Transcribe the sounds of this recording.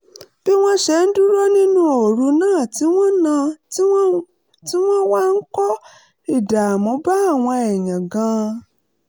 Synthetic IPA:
b̥i˦w̃ɔ̃˦ʃɛ˨˦n̩˦du˦ɾo˦nĩ˦nũ˦o˨ɾu˨˦nãː˦˨ti˨˦w̃ɔ̃˦nã˧˦ | ti˦w̃ɔ̃˦wa˦ŋ̩˦kɔ˦ | i˨da˨mɔ̃˨˦ba˦˨w̃ã˧ɛ˨ɲã˨ɡã˨˦

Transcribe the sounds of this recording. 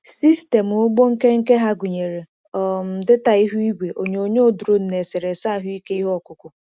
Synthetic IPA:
si˦ste˨m˨ʊ˦ɡ͡bo˦ŋ̩˦ke˦ŋ̩˦ke˦ɦa˦ɡu˨ɲe˨ɾe˨ | ɔ˨m̩˨dɪ˦ta˨i˦ɦu˦i˦ɡʷe˨ʔo˨ɲ˨o˨ɲe˦o˦˨du˨ɾo˦n̩˨ne˨se˨ɾe˨sa˦˨ɦʊ˦i˦ke˦i˦ɦɔ˦˨kʊ˨kʊ˨

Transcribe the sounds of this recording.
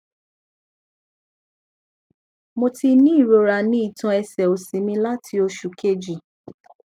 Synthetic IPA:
mo˧ti˧nĩ˦i˦˨ɾo˨˧ɾa˧nĩ˦i˦˨tã˧ɛ˧sɛ˨o˨sĩ˨˦mĩ˧la˦tʰi˧o˧ʃu˨ke˦d͡ʒi˨

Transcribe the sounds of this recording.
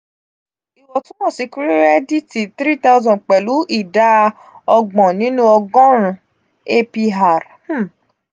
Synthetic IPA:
i˨wɔ˨tũ˦mɔ̃˦˨si˧ku˦ɾi˦ɾɛ˦di˦ti˨t̪ɾi˦˨ta˦ʊ˦zɔ̃˨k͡pɛ˨lu˨˦ʔi˦˨da˦ | ɔ˧ɡ͡bɔ̃˨nĩ˨˦nũ˦ɔ˧ɡɔ̃˦ɾ̃ũ˨ | e˦pi˧ɦa˨ɾ | h̩˦

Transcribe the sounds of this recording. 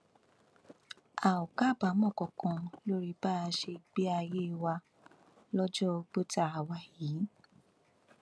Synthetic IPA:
a˨o˨ka˦˨ba˨˦mɔ̃˦˨kɔ̃˨kã˧lo˦ɾi˦ba˦˨˧ʃe˧ɡ͡be˦a˧je˦˧wa˧ | lɔ˦d͡ʒɔ˦o˧ɡ͡bo˦ta˧a˨wa˧˨ji˨˦

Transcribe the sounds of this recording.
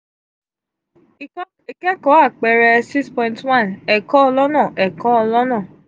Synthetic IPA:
i˨kɛ˦kɔ˨˦a˦˨k͡pɛ˨ɾɛ˧si˦spɔ̃˧ĩ˦ntwã˦nɛ˨kɔ̃˦ɔ˧lɔ˦nã˦˨ʔɛ˨kɔ̃˨˦ɔ˧lɔ˦nã˦˨

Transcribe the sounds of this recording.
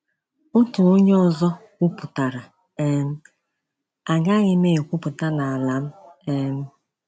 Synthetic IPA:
ʊ˦tu˨o˦ɲe˦ɔ˨zɔ˦kʷu˦pʊ˨ta˨ɾa˨ | e˦n̩˦ | a˨ɡa˦ɣɪ˦me˦e˨kʷu˦pʊ˨ta˦na˨a˨la˨˦m̩˦e˦n̩˦

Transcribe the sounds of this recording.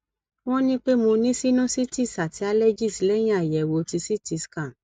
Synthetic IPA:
w̃ɔ̃˦nĩ˦k͡pe˦mo˧nĩ˦si˦nũ˦si˦ti˦˨sa˨ti˨˦a˦lɛ˦d͡ʒi˦˨si˨˦lɛ˦j̃ĩ˦a˨jɛ˨wo˧ti˧si˦ti˨˧˨skã˨

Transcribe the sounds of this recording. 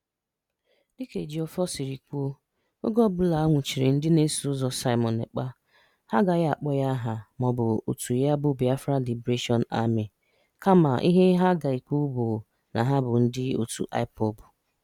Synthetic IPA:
dɪ˦ke˨d͡ʒi˨ɔ˨fɔ˦si˨ɾi˨kʷo˦ | o̰˦ɡɔ˦bʊ˨la˨a˦ŋʷʊ˨t͡ʃi˨ɾɪ̰˨n̩˦dɪ˦ne˦su˨ʊ˦zɔ˨sa˦ɪ˦mɔ˨nḛ˨k͡pa˦ | ha˦ɡa˨ja˨k͡pɔ˦ja˦ɦa˨mɔ˨bʊ˨o̰˨tu˨ja˦bʊ˦bi˨a˦fɾa˦li˨bɾe˦ʃɔ˦n̩˦a̰˦mɪ˨ | ka˦ma̰˨ʔi˦ɦe˦ɦa˦ɡa˨i˨kʷu˦bo˨ | na̰˨ɦa˦bʊ˨n̩˦dɪ˦o̰˨tṵ˨ʔa̰˦ɪ˦pɔ˨bʊ˨

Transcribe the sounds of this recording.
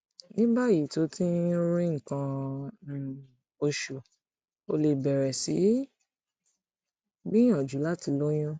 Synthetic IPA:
nĩ˦ba˦˨ji˨to˨˦tĩ˦ɾĩ˦ŋ̩˨kã˧˨ | o˧ʃo˨ | o˧le˧bɛ˨ɾɛ˨si˨˦ | ɡ͡bi˦j̃ã˨d͡ʒu˨˦la˦ti˧˦lo˦j̃ã˦

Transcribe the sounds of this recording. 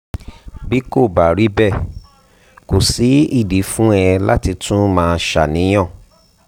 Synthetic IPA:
bi˦ko˦˨ba˨ɾi˨˦bɛ˦˨ | ko˨si˨˦i˦˨di˨˦fũ˦ɛ˧la˦ti˧tʰũ˦mãː˦˧ʃa̰˦˨nĩ˨˦j̃ɔ̃˦˨

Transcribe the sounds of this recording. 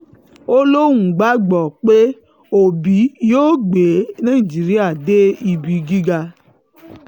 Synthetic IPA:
o˦lo˦wũ˨ɡ͡ba˨˦ɡ͡bɔ˨k͡pe˦ | o˨bi˨˦joː˦ɡ͡be˨˦nãː˦i˨d͡ʒi˨˦ɾi˦a˦˨de˦i˧bi˨ɡi˦ɡa˧

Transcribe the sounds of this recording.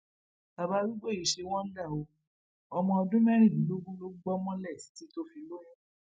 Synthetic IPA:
a˨ba˧˦ɾi˦ɡ͡bo˦˨i˨ʃe˧w̃ɔ̃˦n̩˦da˦˨o˧ | ɔ˧mɔ̃˧ɔ˧dũ˦mɛ̃˦ɾ̃ĩ˦˨bĩ˨˦lo˦ɡũ˦lo˦ɡ͡bɔ˦mɔ̃˦lɛ˦˨si̥˨˦ti˨˦to˦fi˧lo˦j̃ũ˦

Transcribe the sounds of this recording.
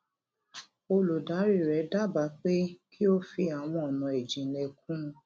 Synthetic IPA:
o˧lo˨da˨˦ɾi˦˨ɾɛ˨˦da˦˨ba˨˦k͡pe˦kʰi˦o˦fi˧a˨w̃ɔ̃˧ɔ˨nɔ̃˧˨ɛ˨d͡ʒĩ˨nɛ˧k̚ũ˦˧

